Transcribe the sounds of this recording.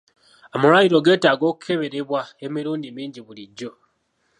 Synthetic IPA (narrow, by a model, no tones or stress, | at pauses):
omuɾwajiɾo̞ɡe̞ːtaːɡo̞ːku̥kʰe̞βe̞ɾe̞βwae̞miɾuːndimiːɲɟiβuliɟːo̞